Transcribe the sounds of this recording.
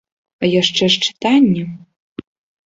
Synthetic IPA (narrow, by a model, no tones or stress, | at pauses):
ɐjaʂt͡ʂɛʂt͡ʂɨ̥t̪anʲːɛ